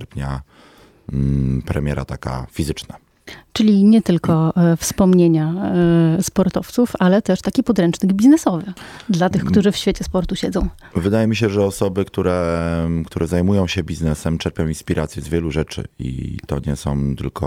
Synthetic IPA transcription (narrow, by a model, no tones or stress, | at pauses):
ɾpʲɲa | pɾɛmʲjɛɾʔa̰t̪aka̰fʲizɘt͡ʂna | t͡ʂɘlʲiɲɛt̪ɘlkɔfspɔmɲeɲa | spɔɾt̪ɔft̪sufalɛt̪ɛʂt̪akʲipɔd̪ɾɛnt͡ʂɲiɡbʲiznɛsɔvɘd̪lat̪ɘxkt̪uʐɘfɕfʲet͡ɕɛspɔɾt̪uɕɛd̪zɔ̃w̃ | vɘd̪ajɛmʲiɕɛʐɛɔsɔbɘkt̪uɾɛkt̪uɾɛzajmujɔ̃w̃ɕɛbʲiznɛsɛmt͡ʂɛɾpʲjɔ̃w̃inspʲiɾʔat̪sʲjɛzvʲjɛluʐɛt͡ʂɘ̰ḭt̪ɔɲɛsɔ̃w̃t̪ɘ̰lkɔ